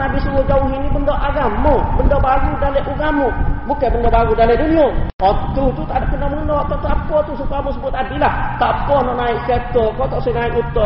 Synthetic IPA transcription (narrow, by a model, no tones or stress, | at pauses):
abisuɡod͡ʒauɦinibəndoʔaɡamɔbəndobaɡudaleʔuɡamubukabəndobaɡudaledunioɔt̪ut̪ut̪adikənaunɔt̪ɔt̪ap̚kot̪usukamusəbuat̪adilat̪aʔpkɔnɔʔnaikkɛt̪ɔkɔt̪ɔʔsɛnaiʔut̪ɔ